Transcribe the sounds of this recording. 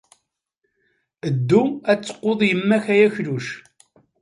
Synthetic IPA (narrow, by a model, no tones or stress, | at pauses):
əd̪ːuæt͡sːə̥qːoðˤjəmːæçæjæçluʃ